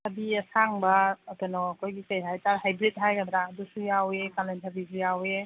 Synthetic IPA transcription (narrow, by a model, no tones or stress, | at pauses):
hɐbiɐsaŋbɐːtenɔɐkʰojɡikajɦajtaɾɦajbɾit̚ɦajabɾadusujawekalentʰɐbis̬ujawe